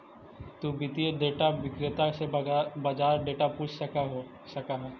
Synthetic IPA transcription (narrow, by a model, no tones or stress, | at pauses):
t̪ubɪt̪ieɖeːʈaʋɪkɾɪt̪asebad͡ʒaːɾɖeːʈapuːt͡ʃʰɐɦ | ʃɐkaɦɛː